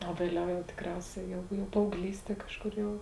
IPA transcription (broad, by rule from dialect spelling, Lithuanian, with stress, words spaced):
oː ʋʲeːˈlʲɛʊ jɛʊ tʲɪkˈrʲɛʊsʲɛ jɛʊ jɛʊ pɐɐʊˈɡlʲiːsʲtʲiɛ ˈkɑːʃˌkʊr jɛʊ